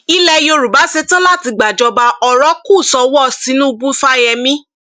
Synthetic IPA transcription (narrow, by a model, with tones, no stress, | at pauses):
i˦lɛ˧jo˧ɾu˨ba˨˦se˦tã˦la˦˨ti˨˧ɡ͡ba˨d͡ʒɔ˧ba˧ɔ˧ɾɔ˦ku˦˨sɔ˧wɔ˦˨si˨˦nũ˦u˧bũ˦fa˦jɛ˧mĩ˦